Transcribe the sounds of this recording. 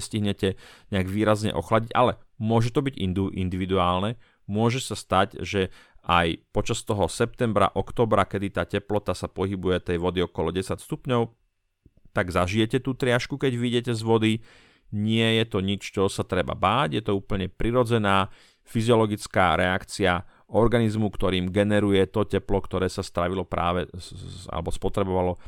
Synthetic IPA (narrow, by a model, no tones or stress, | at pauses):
sciɦɲɛcɛɲɛaɡʋiːɾazɲɛ̰ʔɔ̰xlaɟiɟa̰lɛmʊɔʒɛt̪ɔbiɟḭnd̪uʔḭnd̪iʋid̪uaːlnɛ | mʊɔʒɛsast̪acʒɛ | ʔajpɔt͡ʃast̪ɔɦɔsɛp̚t̪ɛmbɾa̰ʔɔkt̪ɔːbɾakɛd̪it̪aːcɛplɔt̪asapɔɦibujɛt̪ɛjʋɔd̪iɔkɔlɔɟɛsacst̪upɲɔʊ | t̪aɡzaʒijɛcɛt̪uːt̪ɾɪaʃkukɛɟʋiɟɛcɛzʋɔd̪i | ɲɪɛjɛt̪ɔɲit͡ʃt͡ʃɔsat̪ɾɛba̰baːɟjɛt̪ɔuːpl̩ɲɛpɾiɾɔd͡zɛnaː | fiziɔlɔɡit͡skaːɾɛakt͡sia | ʔɔɾɡanizmukt̪ɔɾiːmɡɛnɛɾujɛt̪ɔcɛplɔkt̪ɔɾɛːsast̪ɾaʋilɔpɾa̰ːʋɛa̰lɛ̰bɔspɔt̪ɾɛbɔʋalɔ